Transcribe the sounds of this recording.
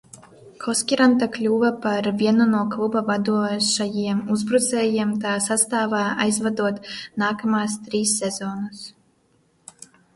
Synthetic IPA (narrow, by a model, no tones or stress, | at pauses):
kʰɔskʲiɾant̪aklʲuːvapaɾvʲiɛnunuɔklˠubavad̪uɔʃajiɛmuzbɾut̪sɛːjiɛmt̪aːsast̪aːvaːajzvad̪uɔt̪naːkamaːst̪ɾiːsːɛzɔːnus